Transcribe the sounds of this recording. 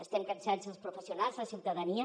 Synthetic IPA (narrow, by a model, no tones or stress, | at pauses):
əst̪ɛmkənsanzəlˠspɾufəsiunalˠzləsiwt̪aðəniə